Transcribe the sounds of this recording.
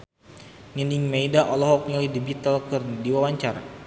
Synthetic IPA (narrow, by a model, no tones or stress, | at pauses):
ŋəniŋmejdaʔɔlɔɦɔk̚ɲilidibit̪alkɨrndiwawaɲt͡ʃaɾa̰